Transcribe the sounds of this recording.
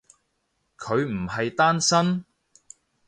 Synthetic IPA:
kʰɵ˨˧ɥm̩˨˩hɐ˨jt̪aː˥nsɐ˥n

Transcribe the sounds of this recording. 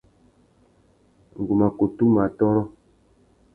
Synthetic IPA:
ŋ̩˨ɡu˨ma˨ko˨tu˦ma˨tɔ˦ɾɔ˦

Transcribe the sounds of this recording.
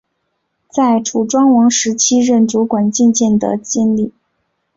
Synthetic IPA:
t͡sa˥˩ɪʈ͡ʂʰu˨˩ʈ͡ʂwɑ˥ŋwɑ˧˥ŋʂɻ̩˧˥t͡ɕʰi˥ɻə˥˩nʈ͡ʂu˧˥kwa˨˩nt͡ɕi˥˧nt͡ɕjɛ˥˩nd̪ə̰˩t͡ɕi˥˧nli˥˩

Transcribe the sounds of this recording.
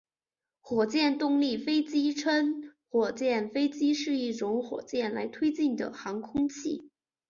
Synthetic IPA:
xwɔ˨˩t͡ɕjɛ˥˧nt̪ʊ˥˧ŋli˥˩fe˥ɪt͡ɕi˥ʈ͡ʂʰə˥nxwɔ˨˩t͡ɕjɛ˥˩nfe˥ɪt͡ɕi˥ʂɻ̩˥˧i˥˩ʈ͡ʂʊ˧˥ŋxwɔ̰˨˩t͡ɕjɛ˥˩nla̰˧˥ɪt̪ʰwe˥ɪt͡ɕi˥˩nd̪ə̰˩xɑ˧˥ŋkʰʊ˥ŋt͡ɕʰḭ˥˩

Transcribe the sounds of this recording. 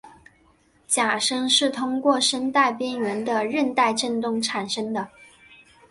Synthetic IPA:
t͡ɕja˨˩ʂɤ˥ŋʂɻ̩˥˩t̪ʰʊ˥ŋkwɔ˥˩ʂə˥nt̪a˥˩ɪpjɛ˥nɥɛ˧˥nd̪ə˧ɻə˥˧nt̪a˥˧ɪʈ͡ʂə˥˧nt̪ʊ˥˩ŋʈ͡ʂʰa˨˩nʂɤ˥ŋd̪ə˨

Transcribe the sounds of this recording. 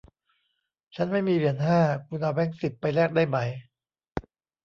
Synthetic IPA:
t͡ɕʰa˦˥nma˥˩jmiː˧ɾi˨˩ənɦaː˥˩kʰu˧nʔaː˧wɛː˦˥˩ŋsi˨˩pːa˧jlɛː˥˩k̚daː˥˩jma˦˥j

